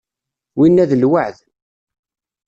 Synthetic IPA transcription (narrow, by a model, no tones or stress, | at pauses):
winːæðəlwəʕð